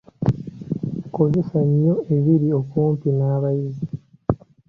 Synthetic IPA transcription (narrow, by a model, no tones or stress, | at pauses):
ko̞ze̞saɲːo̞e̞βiɾiokoːmpinaːβajizi